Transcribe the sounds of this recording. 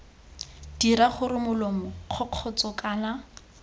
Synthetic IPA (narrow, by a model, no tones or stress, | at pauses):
d̥iɾaχʊɾɪmʊlomʊq͡χʰɔq͡χʰɔt͡sɔkʼaːla